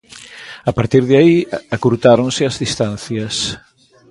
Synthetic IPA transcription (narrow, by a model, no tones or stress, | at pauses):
apaɾt̪iɾðaiakuɾt̪aɾõnsɪɐzðist̪an̟θjɐs